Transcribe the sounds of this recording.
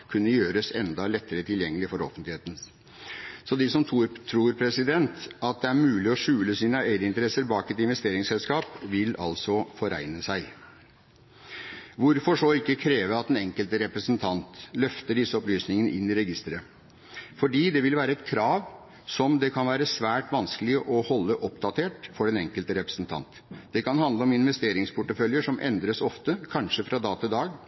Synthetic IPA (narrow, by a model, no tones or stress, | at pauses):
kʰʉnːəjøːɾəsɛnd̪ɑlɛt̪ːəɾət̪ʰɪljɛŋːəlɪfɔɾɔ̰fənt̪lɪeːt̪n̩ | sɔd̪ɪsɔmt̪ʰuːɾt̪ʰɾuːɾpʰɾɛsɪd̪ɛnt̪ɑt̪̚d̪ɛæɾmʉːlɪɔʂʉːləsiːnəæɪd̪əɪnt̪əɾɛsːəɾbɑːkɛt̪ɪnʋɛst̪eːɾɪŋsɛlskɑːpʋɪlɑ̰lsɔfɔɾæ̰ɪnəsæɪ | ʋʊɾfɔʂɔɪkːəkʰɾeːʋəɑt̪̚d̪ɛnɛŋkəlt̪əɾɛpɾəsənt̪ʰɑnt̪lœft̪əɖɪsːəɔplyːsnɪŋənəʔɪnːɪɾɛɡɪst̪əɾə | fɔɖiːd̪ɛʋɪlʋæːɾəɛt̪kʰɾɑːʋ | sɔmd̪ɛkʰɑnʋæːɾəsʋæːʈʋɑnskəlɪəʔɔhɔlːəʔɔpd̪ɑt̪ʰeːʈfɔɖɛnɛŋkəlt̪əɾɛpɾə̥sn̩t̪ʰɑ̰nt̪ | d̪̥ɛkɑnɦɑnd̪ləɔmɪnʋɛst̪eːɾɪŋspʰʊʈːəfœljəʂɔmʔɛ̰nd̪ɾəsɔft̪əkʰɑnʂəfɾɑd̪ɑːt̪ʰɪd̪ɑːɡ